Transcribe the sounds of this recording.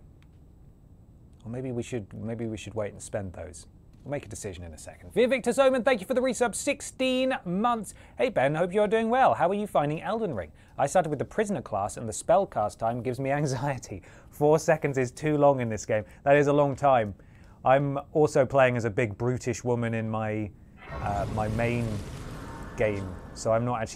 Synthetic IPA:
wɛlˠmeɪbiwiʃɨd̚meɪbiwiʃɨd̚weɪtn̩spɛ̃nðo̰ʊz̥ | wilˠmeɪkədɨsɪʒɨ̃nɨ̃nɨsɛ̰kn̩d̥vɪvɪk̚tə˞sõʊmə̃nθæ̃ŋkjɨfə˞ðəɹisʌbsɪkstĩnmʌ̃nθs | heɪbɛ̃nhoʊpjɨə˞dʉɪ̃ŋwɛlˠhaʊə˞jɨfãɪ̃ndɪ̃ŋʔɛlˠdə̃nɹɪ̰̃ŋ | aɪstɑɾd̚wɨðəpʰɹ̥ɪznə˞kʰl̥ɑ̰sə̃nðəspɛlˠkʰɑˑstʰãɪ̃mɡɪvzmiæ̃ŋzaɪɨtʰi | fɔɹsɛkɨ̃ndzɨz̥tʰʉlɔ̃ŋɨ̃nðɪsɡ̥ẽɪ̃mðəɾɪzəlɔ̃ŋtʰãɪ̃m | ʔãɪ̃mɔˑlˠsoʊpʰl̥eɪɪ̃ŋɨzɨbɪɡ̚bɹʉɾɪʃwʊmɨ̃nɪ̃nmaɪ | ʌmaɪmẽɪ̃n | ɡ̥ẽɪ̃msoʊãɪ̃mnətæk̚t͡ʃ

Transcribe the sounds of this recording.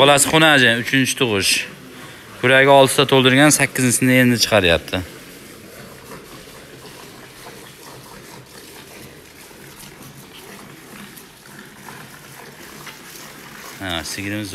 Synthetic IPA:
ɒlˠasɪχʊnad͡ʒaʊt͡ʃʰɪnt͡ʃʰɪ̥t̪ʰʊʁʊʃ | kʰʊɾaɡʲɪɒlˠt̪sɪd̪at̪ʰolˠd̪ɪɾɡʲansakʲːɪzɪnsɪnɪend̪ɪt͡ʃʰɨ̥qʰɑɾɪjap̚t̪ʰɪ | asɪɡʲɾmɪz

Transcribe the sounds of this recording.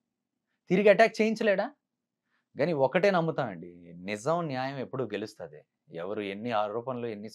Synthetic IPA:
t̪iɾiɡiɐʈaːk̚t͡ʃeːjiɲt͡ʃɐleːɽaː | ɡaːniɔkːɐʈe̞ːnɐmːut̪aːnɐɳɖinizɐmnjaːjɐme̞pːuɽuɡe̞lust̪ɐd̪i | ɛʋɐɾue̞nːiaːɾɾuːpɐnloːenːi

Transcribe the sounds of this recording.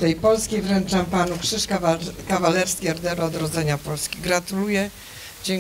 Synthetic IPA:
t̪ɛjpɔlskʲejvɾɛnt͡ʂampanukʂɘʂkakavalɛɾskʲiɛɾd̪ɛɾɔɔd̪ɾɔd̪zɛɲapɔlskʲiɡɾat̪ulujɛ | d͡ʑɛŋ

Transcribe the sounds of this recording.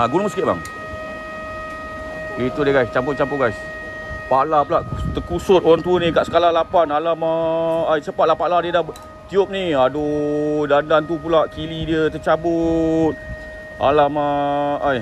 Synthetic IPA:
aɡunʊŋsə̥kɪt̪̚ba̰ŋ | it̪udiəɡajst͡ʃampʊt͡ʃampʊɡajs | palapulaʔt̪əkusʊt̪̚oɾaŋt̪unĩkaʔsə̥kalalapanalaməajt͡ʃəpat̪̚lahpaladiədah | t̪iʊp̚niadodandant̪̬upulaʔkilidiət̪ət͡ʃabʊt̪̚ | a̰laməaj

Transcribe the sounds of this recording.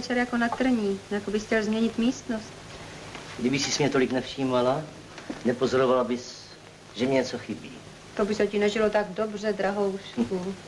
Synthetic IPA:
t͡ʃɛɾjako̞nat̪r̩ɲiːjakobɪxcɛlzmɲɛɲɪt̪miːst̪nost̪ | ɡdɪbɪxsɪsmɲɛt̪o̞lɪknɛfʃiːmala | nɛpozoɾovalabɪs | ʒɛmɲɛɲɛt͡soxɪbḭː | t̪o̞bɪsɛcɪnɛʒɪlo̞t̪aɡdo̞br̝ɛd̪ɾaɦowsku

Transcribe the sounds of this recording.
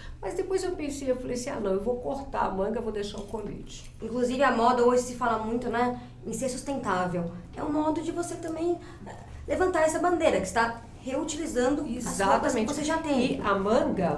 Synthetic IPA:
mɐzd̪epojzewpẽsejewfalejsĩa̰nɐ̃w̃ewvowkoɾt̪a̰ɐ̰mɐ̃ŋɡɐvod̪eʃaɾʊ̃kõvḭt͡ʃɪ̥ | ĩkluzivɪɐmɔd̪ɐoʒɪsɪfalɐmũj̃t̪ʊnɛ | ẽseɾsust̪ẽnt̪avew | ɛ̰ũmɔd̪ʊd͡ʒɪvoset̪ɐ̃mbẽj̃ | ɛ | levɐ̃nt̪aɾɛsɐbɐ̃nd̪eɾɐkɪ̥st̪a | heut͡ʃilizɐ̃nd̪ʊzɐsaɔɐmẽt͡ʃvoseʒat̪ẽj̃ɪɐmɐ̃ɡɐ

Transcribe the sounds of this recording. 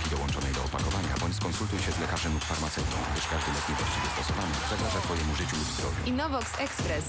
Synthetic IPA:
kʲid̪ɔwɔnt͡ʂɔnɛjd̪ɔɔpakɔvaɲa̰bɔɲt͡ɕskɔnsult̪ujɕɛzlɛkaʐɛnukfaɾmat̪sɛwt̪ɔ̰̃w̃ɡd̪ɘʂkaʐd̪ɘlɛt̪ɲɛvwaɕt͡ɕivʲɛst̪ɔsɔvanɛpʂɛɡɾaʐat̪fɔjɛmuʐɘt͡ɕulud̪zd̪ɾɔvʲjḭinɔvɔksɛkspɾɛs

